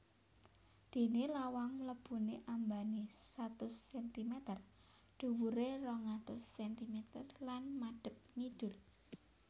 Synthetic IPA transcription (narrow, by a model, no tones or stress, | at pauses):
d̪̥e̤nelawaŋləb̥uneʔambanisat̪ʊsːɛnt̪imet̪ər | ɖ̥ṳwuɾerɔŋat̪ʊsːɛnt̪imet̪ərlanmaɖ̥ə̤p̚ŋiɖ̥ʊ̤l